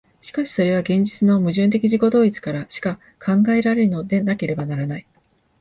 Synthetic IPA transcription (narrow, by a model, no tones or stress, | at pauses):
ɕi̥kaɕi̥so̞ɾe̞β̞aɡẽ̞ɲ̟d͡ʑit͡sɨno̞mɯ̟ʑɨ̃ːnt̪̬e̞kʲiʑiko̞d̪o̞ːit͡sɨ̥kaɾaɕi̥ka | kʰãŋɡae̞ɾaɾe̞ɾɯ̟no̞d̪e̞nake̞ɾe̞banaɾanai